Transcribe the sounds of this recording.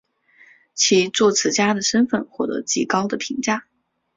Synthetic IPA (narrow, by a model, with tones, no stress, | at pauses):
t͡ɕʰi˧˥t͡swɔ˥˩t͡sʰɹ̩˧˩t͡ɕja˥d̪ə˨ʂə˥nfə̰˥˧nxwɔ˥˩t̪ɤ̰˧˥t͡ɕi˥˩kɑ˥ʊd̪ə˨pʰi˧˥ŋt͡ɕja˥˩